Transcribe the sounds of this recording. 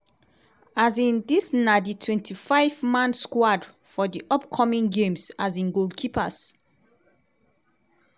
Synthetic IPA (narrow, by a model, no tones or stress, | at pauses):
azĩndisnaditʰwɛ̃ntʰifaɪvmãnskwad | fɔdiʔɔpkʰɔmĩŋɡẽmsazĩnɡoldkʰipʰas